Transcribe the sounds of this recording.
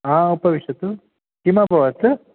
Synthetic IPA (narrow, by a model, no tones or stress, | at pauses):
aːupɐʋiʃɐt̪u | kimapɐʋɐt̪ɨ